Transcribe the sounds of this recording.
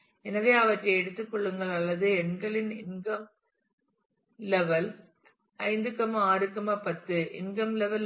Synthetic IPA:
ɛnɐʋeːɐʋɐʈrɐɛɽɯt̪ːɯkːɔɭːɯŋɡɐɭɐlːɐðɯɛɳɡɐɭɪnɪnɡɐm | lɛʋɐl | ɐɪnd̪ɯkːɐmaːɾɯkːɐmɐpɐt̪ːɯʔɪ̰nɡɐmlɛʋɐl

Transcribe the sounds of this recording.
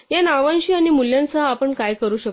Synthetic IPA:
janaʋãnɕiːañimuljãnt͡saːpəɳkajkəɾuːɕək

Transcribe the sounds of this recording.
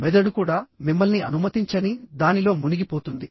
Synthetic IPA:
mɛd̪ɐɽukuːɽaːmimːɐlniʔɐ̰numɐt̪iɲt͡ʃɐnid̪aːnilo̞ːmuniɡipoːt̪und̪i

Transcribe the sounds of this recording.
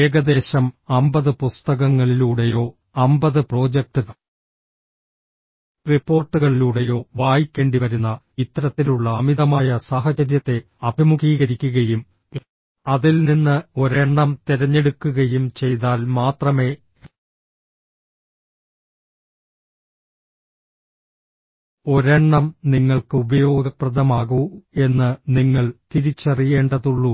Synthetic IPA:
eːɡɐd̪e̞ːɕɐmɐmbɐðɨpust̪ɐɣɐŋːɐɭiluːɽe̞jo̞ː | ɐmbɐðɨpro̞ːd͡ʑek̚ʈɨɣɐ | ripːo̞ːrʈːɨɣɐɭiluːɽe̞jo̞ːʋaːjikʲːeɳɖiʋɐɾunːɐ | it̪ːɾɐt̪ːiluɭːɐːmiðɐmaːjɐsaːɦɐt͡ɕɐɾjɐt̪ːe̞ | ɐbʱimukiːɣɐɾikʲːuɣɐjum | ɐðilninːɨo̞ɾeɳːɐmt̪iɾɐɲːe̞ɽukːuɣɐjumt͡ɕe̞jt̪aːlmaːt̪rɐme̞ː | o̞ɾeɳːɐmniŋːɐɭkɨubɐjo̞ːɡɐprɐðɐmaːɣue̞nːɨniŋːɐɭt̪iɾit͡ɕːɐrije̞ːɳɖɐðuɭːu

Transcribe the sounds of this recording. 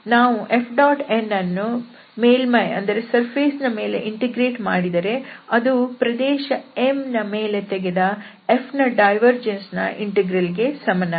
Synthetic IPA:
naːʋuʔepʰɖaːʈenːɐnːu | meːlmɐjɐ̰nd̪ɐɾe̞sɐɾpʰeːsnɐme̞ːlḛʔiɳʈeɡɾeːʈmaːɽid̪ɐɾe̞ɐd̪upɾɐd̪ɛːʃɐemnɐme̞ːle̞t̪eɡed̪ɐ | epʰnɐɖɐjʋɐɾd͡ʒensnɐ̰ʔiɳʈeɡɾɐliɡe̞sɐmɐnːɐ

